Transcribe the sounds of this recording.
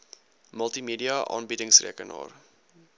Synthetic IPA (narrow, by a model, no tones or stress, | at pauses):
məlˠtimidiɐʔɑ̰ːnbidəŋsrḭkənɑ̰ːr